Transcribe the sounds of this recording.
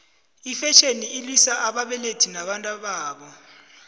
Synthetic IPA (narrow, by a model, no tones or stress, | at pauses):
ifɛʃeniʔːlwisaʔaɓaɓɛletʰinaɓantʼaɓaːɓɔ